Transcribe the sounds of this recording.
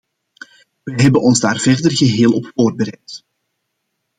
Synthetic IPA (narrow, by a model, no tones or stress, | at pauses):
ʋəɦɛbənɔnzdaːrv̥ɛrdərɣəɦeːlˠɔpfoːrd̚bəɾɛk̚t